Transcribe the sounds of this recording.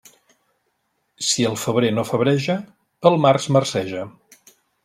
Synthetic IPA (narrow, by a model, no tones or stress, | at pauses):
siəlˠfəβɾenofəβɾɛʒəː | lˠmarzmərsɛʒə